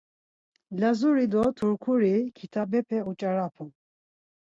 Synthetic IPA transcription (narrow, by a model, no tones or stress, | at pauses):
lazuɾid̪ɔt̪ʰuɾkʰuɾikʰit̪ʰabɛpʰɛut͡ʃʼaɾapʰu